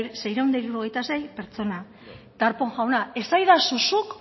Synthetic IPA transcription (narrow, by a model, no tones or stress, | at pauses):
se̞jɾewnd̪aiɾuɾo̞ɣ̞e̞jt̪ase̞jpe̞ɾt͡so̞na | d̪̥aɾpo̞ŋʝawnae̞sajðasusuk